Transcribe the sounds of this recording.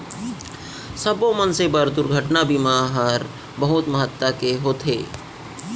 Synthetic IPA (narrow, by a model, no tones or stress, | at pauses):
səbomənsebəɾd̪ʊɾɡʱəʈnabimaːɦəɾ | bɐɦʊt̪məɦət̪ːakeɦoːt̪ʰɦeː